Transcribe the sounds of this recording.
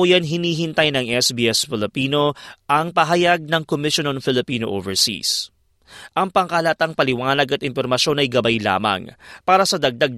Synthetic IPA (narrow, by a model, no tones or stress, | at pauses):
ojanɦɪniːɦɪnt̪ajnɐŋʔɛsbiːɛsfɪlɪpiːno̞ʔɐŋpɐɦɐjaɡ̚nɐŋkomɪʃononfɪlɪpiːnoʔo̰ːvɛɹsḭs | ʔɐŋpɐŋkalat̪ɐŋpɐlɪwaːnɐɡɐt̪ɪnpoɾmɐʃo̞nɐjɡɐbajla̰ːmɐ̰ŋpaːɾɐsɐd̪ɐɡ̚d̪aɡ̚